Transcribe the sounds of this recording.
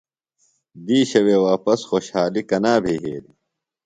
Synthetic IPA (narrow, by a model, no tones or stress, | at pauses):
d̪iːɕɐweːwaːpɐsxoːɕhaːlikɐnaːbʱiːɦeːd̪i